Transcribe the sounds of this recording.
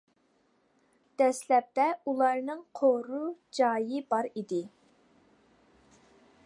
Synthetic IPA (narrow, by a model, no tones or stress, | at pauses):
d̪̥ɛslɛp̚t̪ɛulˠɑɾnɨŋqʰoɾud͡ʒɑːjɪbɑɾid̪ɪ